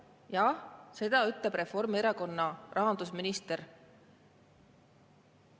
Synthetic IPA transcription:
jɑse̞d̪̥ɑyt̪ˑleb̥re̞fo̞rmeɾɑko̞nːɑʔɑɦɑnd̪̥usminist̪eɾ

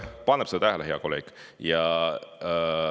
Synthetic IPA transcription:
pɑnːeb̥sed̪ɑt̪æɦeleɦeɑ̰kolːḛk | jɑ

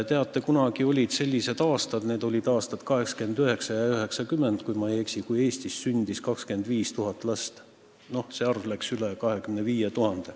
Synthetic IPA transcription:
t̪e̞ɑt̪ːˑe̞kunɑɡ̥io̞lʲid̪̥se̞lʲːise̞d̪̥ɑːst̪ɑd̪̥ne̞ːd̪̥o̞lʲid̪̥ɑːst̪ɑd̪̥kɑɦe̞kske̞nd̪̥yɦe̞ksɑjɑyɦe̞ksɑkymːend̪̥kujmɑejeksikuje̞ːst̪isːynʲd̪̥iskɑkske̞nd̪viːst̪uɦɑt̪ːˑlɑst̪ | no̞hseɑrvlæksylekɑɦhe̞kymneviːjet̪uhɑnd̪̥e̞

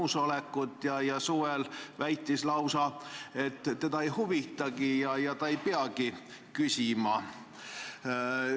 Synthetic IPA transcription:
usolekːˑut̪ˑjɑjɑsuːvɛlvæjt̪ːˑislɑwsɑe̞t̪ːe̞d̪ɑejhuvit̪ːˑɑɡijɑjɑt̪ɑejpeɑki | kysʲimɑ

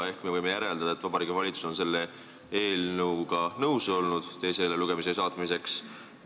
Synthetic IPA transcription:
e̞hkme̞vɤjme̞jæɾe̞ld̪̥ɑd̪̥ɑet̪ːvɑbɑɾiːɡivɑlʲit̪su̥so̞nse̞lːe̞ | e̞ːlnɤwɡ̥ɑnɤwso̞lnud̪̥t̪e̞jse̞leluɡ̥e̞mises̬ɑːt̪ˑmise̞ks

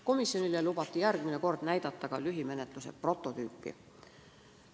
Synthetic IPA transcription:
ko̞misjo̞nilelub̥ɑt̪ːˑijærɡ̥mine̞ko̞rd̪̥næjd̪̥ɑt̪ːɑɡ̥ɑlyɦime̞net̪ˑluse̞̰pro̞t̪ˑːo̞t̪yːpːˑḭ

